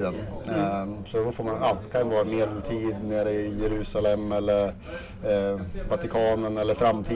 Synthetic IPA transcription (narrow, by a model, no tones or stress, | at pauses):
d̪ən | sɔd̪ɔfoːɾmanakʰanvoːɾmeːd̪əlt̪ʰiːd̪neːɾəjɛɾʉ̟ːsalɛmːɛlːəɾ | vat̪ɪkʰɑːnənɛlːəɾfɾamt̪ʰiː